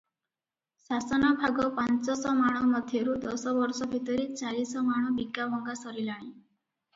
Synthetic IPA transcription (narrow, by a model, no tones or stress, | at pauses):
sasɔnɔbʱaɡɔpant͡sɔsɔmaɽ̃ɔmɔd̪ʱjeɾud̪ɔsɔʋɔɾsɔbʱit̪ɔɾit͡salisɔmaɽ̃ɔbiɡabɔŋɡasɔɾilaɽ̃i